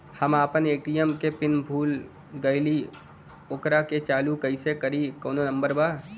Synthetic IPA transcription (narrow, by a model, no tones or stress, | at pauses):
həmaːpəneːʈijəmkepɪnbʱuːl | ɡəɪli | oːkɾaket͡ʃaːlukəɪsekəɾikoːnonə̃mbəɾbaː